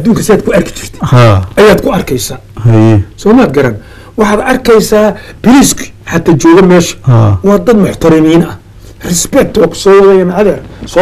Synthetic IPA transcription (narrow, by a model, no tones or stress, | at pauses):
ɐd̪uːŋkʰɐsɪaːd̪̚kʰʊɐrkʰɪ̥t͡ʃʰɪ̥rt̪ʰɪ̥haɐjaːd̪kʰʊɐrkʰɛjsaː | hɐjɛsɔːmaːd̪ɡɐɾɐn | wɑħɑːd̪ɐrkʰɛjsaːb̥ɪɾiskʰħɑt̪ʰaːt͡ʃɔːɣɐmɛːʃɐ̥hawɑːd̪ɐd̪mʊħt̪ʰɐɾɪmiːnɐ | rɪspɛk̚t̪ʰwɑːkʰʊ̥sɔːwɐðɛjɐnʕaðɐɾsɔː